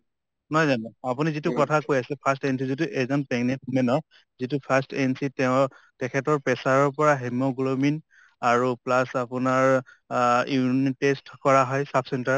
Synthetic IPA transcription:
nɔjzanɛapunizitʊkɔtʰakojasɛpʰastens̬izit̬uʔɛzɔnpɛŋnɛtʰumɛnɔɹ | zitupʰastensitɛʊ̃ | tɛkʰɛtɔɹpɛsaɹɔɹpɔɹaɦɛmoɡulomin | aɹuplasapʊnaɹ | intestkɔɹaɦɔjsapʰsɛntaɹ

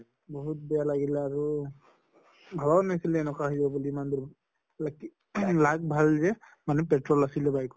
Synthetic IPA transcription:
bɔɦut̚bɛjalaɡilɛaɹu | bʱalanasilɛːnɛkwaɦijzababuliːmand̪u | laki | lak̚bʱalzɛ | manɛpɛtɹɔlasilɛbajk

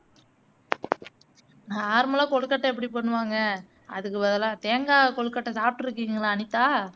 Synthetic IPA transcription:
naaːɾmɐlãːkɔɭɯkːɐʈːɐ̃ɛp̬ːɐɽip̬ɐɳːɯʋaːŋɡɐ | ɐ̰ðɯkːɯʋɐðɐlãːt̪eːŋɡaːkɔɭɯkːɐʈːɐsaːp̚ʈɯɾɯkːiːŋɡɐlaːɐnɪt̪ːaː

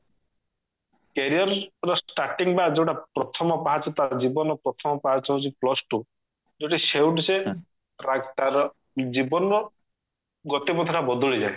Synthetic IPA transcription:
keɾijɔɾɾɔsʈaɾʈiŋbad͡ʒewʈapɾɔt̪ʰɔmɔpaɦat͡ʃʰɔt̪aɾɔd͡ʒibɔnɔpɾɔt̪ʰɔmɔpaɦat͡ʃʰɔt͡ʃʰiplɔsʈu | d͡ʒoʈisewʈse | ɾaɡt̪aɾɔ | d͡ʒibɔnɔ | ɡɔt̪epɔt̪ʰɔʈabɔd̪ʱuɭid͡ʒae

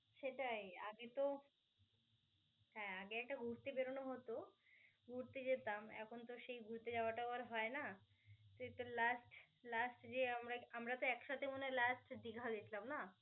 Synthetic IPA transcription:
ʃeʈaja̰ɡet̪o | ɦɛ̃aɡeɛk̚ʈaɡʱuɾt̪ebeɾonoɦot̪o | ɡʱuɾt̪ed͡ʑet̪amɛ̰kʰont̪oʃejɡʱuɾt̪ed͡ʑaoaʈabaɾɦɔena | t̪oet̪olasʈ | lasʈd͡ʑeamɾaamɾat̪oɛkʃat̪ʰemonelasʈd̪iɡʱad̪et͡ɕʰlamna

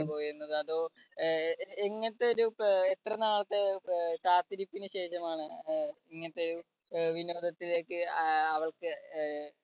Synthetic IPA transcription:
po̞ːjiɾunːɐðɨɐðoː | eŋːɐnɐt̪ːeoɾuet̪rɐnaːɭɐt̪ːe̞kaːt̪ːiɾipːinɨɕe̞ːʂɐmaːɳɨiŋːɐnɐt̪ːeoɾu | ʋino̞ːd̪ɐt̪ːile̞ːkːɨɐʋɐɭkɨ

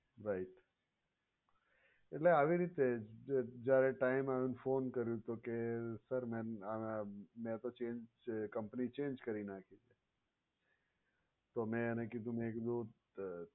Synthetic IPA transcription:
ɾaiʈ | eʈleaʋiɾit̪e | d͡ʒjaɾeʈaɪmaʋũnfonkəɾjũt̪okesəɾmɛ̃ | mɛ̃t̪ot͡ʃẽnd͡ʒ | kəmpnit͡ʃẽːnd͡ʒkəɾinakʰid͡ʒʰe | t̪omɛ̃nekid̪ʱũmẽkd̪u

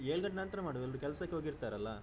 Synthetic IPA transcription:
eːɭɡɐɳʈnɐnt̪ɾɐmaːɽʋɛlɾukɛlsɐkːeɦoːɡiɾt̪aːɾɐlːɐ

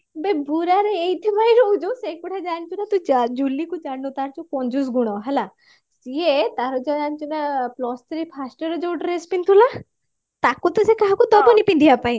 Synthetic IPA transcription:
bebuɾaɾeejt̪ʰimajɾowd͡ʒosekuʈʰad͡ʒant͡ʃʰunat̪uid͡ʒulikud͡ʒaɽut̪aɾt͡ʃɔkɔnd͡ʒus̬ɡuɽ̃ɔɦɛla | siet̪aɾɔd͡ʒɔd͡ʒant͡ʃʰunaplɔst̪ʰɾipʰasʈɔɾɔd͡ʒowʈɾespint̪ʰula | t̪akut̪ɔsekaɦakut̪ɔbɔnipind̪ʱiapaj̃

